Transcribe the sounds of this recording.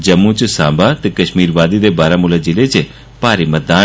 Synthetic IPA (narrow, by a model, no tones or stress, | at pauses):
d͡ʒɐmːũt͡ʃsãːbat̪ekɐʃmiːɾʋaːd̪id̪ebaːɾamʊlad͡ʒɪlet͡ʃe | paːɾimɐd̪aː